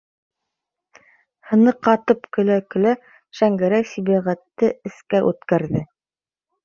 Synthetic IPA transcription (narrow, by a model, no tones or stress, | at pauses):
hɤ̆nɤqɑt̪ɤpkɵ̆lækɵ̆læ | ʃæŋɡæɾæjsiβæʁæt̪ːɘɘ̆skæʔʉt̪kæɾðɘ